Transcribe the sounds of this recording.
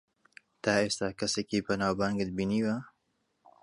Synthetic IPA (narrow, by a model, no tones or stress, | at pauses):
t̪aːʔest̪akɐseːkibɐnaːwbaːŋɡɨt̪̚biːniːwɐ